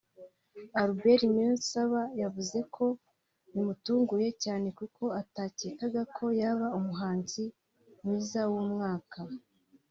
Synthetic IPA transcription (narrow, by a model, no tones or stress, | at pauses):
aɾube̞ɾimensaβajavuze̞kʰo̞ | nimutuːŋɡuje̞caːne̞kukʰo̞ataːceːkaɡakʰo̞jaβaumuɦaːnzi | mŋiːzawumŋaːka